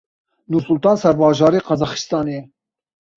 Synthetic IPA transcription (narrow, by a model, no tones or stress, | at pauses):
nuɾsʊlt̪ɑːnsɛɾbɑːʒɑːɾiːqɑzɑːxi̥st̪ɑːnejɛ